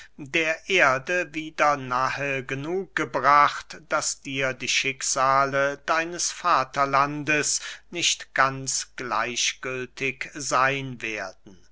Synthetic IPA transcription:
deːɐʔeːɐdəviːdɐnaːɦəɡənuːk̚ɡ̥əbʁaχtd̥asd̥iːɐdiːʃɪkz̥aːlədaɪnəsfaːtʰɐlandəsnɪʃtɡ̥ant͡sɡ̥la̰ɪʃɡ̥ʏltʰɪkzaɪnveːɐdn̩

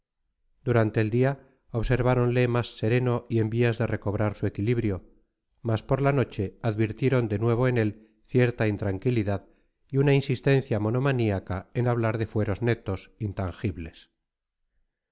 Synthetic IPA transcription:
d̪̥uɾant̪e̞ːld̪ia | oβse̞ɾβaɾo̞nle̞masːe̞ɾe̞no̞ʔie̞mbiazðe̞re̞ko̞β̞ɾaɾsue̞kiliβɾjo̞ | maspo̞ɾlano̞t͡ʃe̞aðβiɾt̪je̞ɾo̞nd̪e̞nwe̞β̞o̞ene̞l | θje̞ɾt̪aint̪ɾaŋkiliðað | iunainsist̪e̞nθjamo̞no̞maniakae̞naβ̞laɾðe̞fwe̞ɾo̞zne̞t̪o̞sint̪aŋxiβle̞s

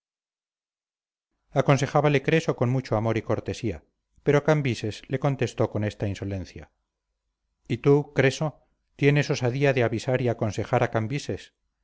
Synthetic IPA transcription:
ako̞nse̞χaβale̞kɾe̞so̞ko̞nmut͡ʃoamo̞ɾiko̞ɾt̪e̞sia̰ | pe̞ɾo̞kambise̞sle̞ko̞nt̪e̞st̪o̞ko̞ne̞st̪ainso̞le̞n̟θja̰ | it̪ukɾe̞so̞ | t̪je̞ne̞so̞saðiaðe̞aβisaɾiako̞nse̞xaɾakambise̞s

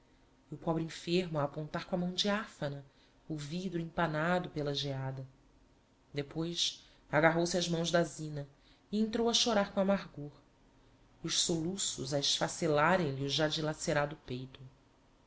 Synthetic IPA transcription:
ʊpɔbɾĩfeɾmʊaːpõnt̪aɾkõamɐ̃w̃d͡ʒɪafɐnɐ | ʊvid̪ɾuĩpanad̪ʊpelɐʒead̪ɐ | d̪epojs | aɡaɦowsiɐʒmɐ̃w̃ʒd̪azĩnɐ | iẽnt̪ɾowɐʃoɾaɾkõamaɾɡoɾ | ʊʃsolusʊzɐɪʃfaselaɾẽj̃liʊʒad͡ʒilaseɾad̪ʊpejt̪ʊ

